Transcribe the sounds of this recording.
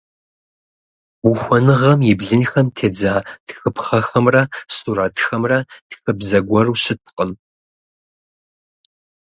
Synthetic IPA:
uxʷɔnɨʁɐmjɪbɮɨnxɐmtʰeːd͡zaːtxɨpχɐxɐmrɐsʼuɾaːtxɐmrɐtxɨbzɐɡʷɔruːʃɪt̚ʰqʼəm

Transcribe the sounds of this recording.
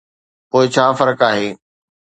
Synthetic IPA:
poːɪt͡ɕʰaːfɐɾkaːɦeː

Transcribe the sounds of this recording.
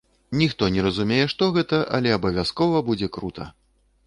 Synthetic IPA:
nʲixt̪ɔnʲɛɾɐzumʲejɛʂt̪ɔɣɛt̪ɐʔɐ̰lʲɛɐbɐvʲaskɔvɐbud͡zʲɛkɾut̪ʰɐ̰

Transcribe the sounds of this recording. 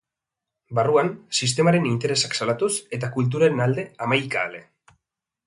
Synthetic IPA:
baruansist̪e̞maɾe̞nint̪e̞ɾe̞saksalat̪use̞t̪akult̪̬uɾaenald̪e̞amajkaːle̞

